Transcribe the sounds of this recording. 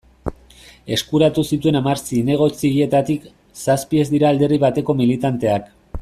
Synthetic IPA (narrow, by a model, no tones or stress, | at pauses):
e̞skuɾat̪usit̪ue̞namaɾsine̞ɣ̞o̞t͡sie̞t̪at̪ik | saspie̞zd̪iɾaːld̪e̞riβ̞at̪e̞ko̞milit̪ant̪e̞ak